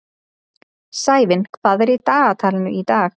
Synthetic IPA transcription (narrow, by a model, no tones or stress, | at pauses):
saːjvɪnkʰv̥aːðɛɾit̪aːɣat̪ʰaːlɪnʏ̰it̪aːx